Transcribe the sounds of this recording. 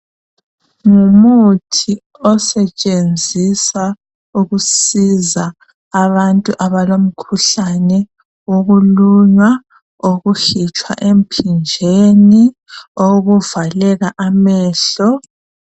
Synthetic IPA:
ŋumutʰi | ɔsɛt͡ʃʼend͡zʱisa | uɣusizaː | βantʼuʔaβalom̩kʰuɬanɛ | woɣuluŋa | oɣuxit͡ʃʼwa̰ʔem̩pʰind͡ʒʱeni | oɣuvalɛɣaʔamɛːɬɔ

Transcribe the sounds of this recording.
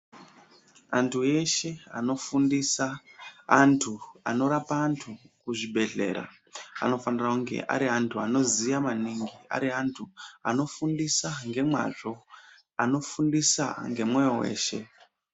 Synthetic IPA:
antʰue̞ʃe̞ano̞fundisaː | ntʰua̰no̞ɾapaːntʰukuʐibʱe̞ɮe̞̰ɾa̰ | a̰no̞fanirauŋɡe̞̰ʔa̰ɾiɦantʰuano̞zijamaniŋɡia̰ɾiɦantʰua̰no̞fundisaŋɡe̞mwa̰ʐo̞ | ano̞fundisa̰ŋɡe̞mwe̞jo̞we̞̰ːʃe̞̰

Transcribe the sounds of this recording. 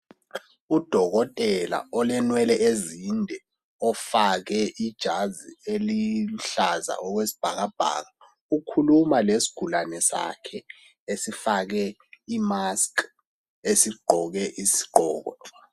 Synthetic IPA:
ud̥ʱɔɣɔtʼɛla̰ɔlɛnwɛlɛʔezindʱɛ | ɔfaɣɛʔid̥ʒ̥ʱazieliɬaza̰ɔɣwesi̥b̥ʱaɣab̥ʱa̰ːɣa | ukʰulumalesi̥ɡ̥ʱulanɛsa̰kʰɛ | esifaɣɛ | imask | esiɡ͡ǃʱɔɣɛʔisi̥ɡ͡ǃʱɔːɣɔ̰

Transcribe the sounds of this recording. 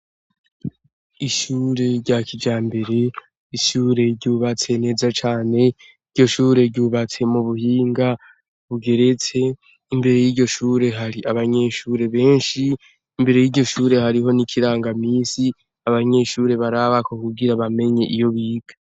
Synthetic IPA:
iʃuːɾe̞ɾɟakʰid͡ʒaːmbe̞ɾe̞ | iʃuːɾe̞ɾɟuːβat͡se̞ne̞ːzat͡ʃaːne̞ | iɾɟo̞ʃuːɾe̞ɾɟuːβat͡se̞muβuhiːŋɡa | βuɡe̞ɾe̞t͡se̞ | imbe̞ɾe̞jiːɾɟo̞ʃuːɾe̞ɦaɾiʔaβaɲe̞ʃuɾe̞βe̞ːnʃiː | mbe̞ɾe̞jiːɟo̞ʃuːɾe̞ɦaɾiɦo̞nikʰiɾaːŋɡamiːsi | aβaɲe̞ʃuːɾe̞βaɾaβakokuɡiɾaβame̞ɲe̞ʔijo̞βiːɡ̥ḁ

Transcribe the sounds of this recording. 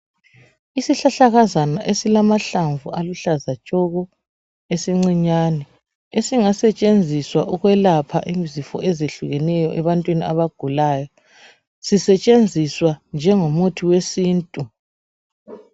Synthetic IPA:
isiɬaɬaɣazanaʔesilamaɬaɱvualuɬazat͡ʃʼɔɣɔ | esiŋ͡ǀiɲaːnɛ | esiŋasɛt͡ʃʼend͡zʱiswaʔuɣwɛlapʰaʔimzifɔ̰ʔɛzeɬuɣɛnɛjɔʔɛβantʼwiniaβaɡ̥ʱulaːjɔ | sisɛt͡ʃʼend͡zʱiswand͡ʒʱɛŋomutʰiwesiːntʼu

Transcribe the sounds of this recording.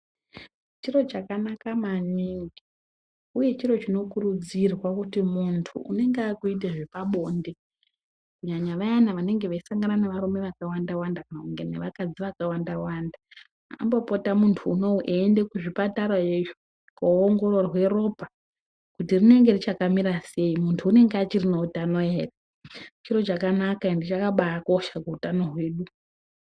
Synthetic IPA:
t͡ʃiro̞t͡ʃakanakamaniŋɡi | uje̞t͡ʃiɾo̞t͡ʃino̞kurud͡zirwakutimuntʰṵṵne̞ŋɡakuit̬eʐepaɓo̞ːnde̞ | kuɲaɲaʋajanaʋane̞ŋɡe̞ʋaisaŋɡananeʋaɾume̞ʋakawandawandakanakuŋɡe̞neʋakad͡ziʋakawandawanda | ambopotamuntʰuːno̞uʔeːnde̞kuʐipataɾajeʒo | kooŋɡo̞ro̞rwe̞ro̞pa | kutirine̞ŋɡe̞rit͡ʃakamiɾase̞imuntʰuːne̞ŋɡeat͡ʃirinoutano̞eːra | t͡ʃiro̞t͡ʃakanakaindit͡ʃakaɓaako̞ʃakuutano̞ɦwe̞ːɗu

